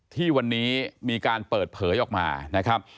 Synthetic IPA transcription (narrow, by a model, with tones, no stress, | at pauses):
t̪ʰiː˥˩wa˧nːiː˦˥miː˧kaː˧npɤː˨˩t̪̚pʰɤː˩˦jʔɔː˨˩k̚ma̰ː˧na˦˥kʰɾa˦˥p̚